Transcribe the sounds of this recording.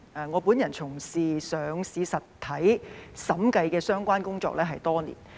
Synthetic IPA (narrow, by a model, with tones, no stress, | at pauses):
ɛː˨ŋɔː˨˧puː˨˥njɐ˨˩nt͡sʰʊ˨˩ŋsiː˨sœː˨˧ŋsiː˨˧sɐ˨t̪ʰːɐ˨˥jsɐ˨˥mkɐ˧jkɛː˧sœː˥ŋkʷaː˥nkʊ˥ŋt͡sɔ̰ː˧k̚lɛː˥ɦɐ˨jt̪ɔː˥nḭː˨˩n